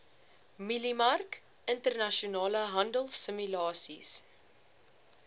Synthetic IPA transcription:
milimɐrk | ʔəntərnɐʃiunɑːləɦɐndəlˠsəmylɑːsḭs

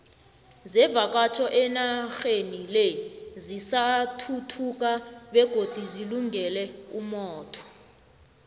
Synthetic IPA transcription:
zɛvak̬ʼat͡ʃʰɔʔɛnaxenilezisatʰutʰuk̬ʼaɓɛɡ̥ʱod̥ʱiziluŋɡɛlɛumɔːtʰɔ̥

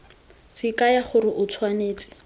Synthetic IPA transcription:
sɪkajaχʊɾɪʔʊt͡sʰwaneːt͡sʼɪ̥

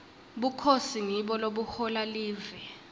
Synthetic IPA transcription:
ɓukʰosiŋiɓɔloɓuhɔlaliːvɛ

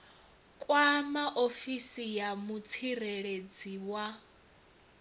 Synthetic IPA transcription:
kʼwamaʔofisijamut͡sʰiɾeɺed͡ziwa

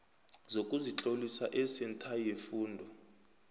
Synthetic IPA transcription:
zokʼuzit͡ɬʼolisaʔɛsɛntʰajefuːndʱɔ

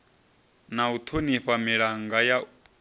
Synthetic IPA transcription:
naut̪ʰoniɸamiɺaŋɡaja

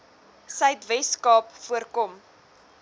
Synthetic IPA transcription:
səɥtvɛskɑːpfuərkɔm

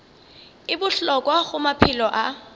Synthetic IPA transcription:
ɪbʊɬɔkʼwaɣʊmapʰɪlɔʔa

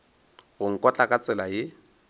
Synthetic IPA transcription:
ɣʊŋ̩kʼɔt͡ɬʼakʼat͡sʼɪlajɪ

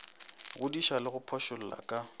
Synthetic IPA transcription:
ɣʊdiʃalɪɣʊpʰɔʃʊl̩la̰kʼa

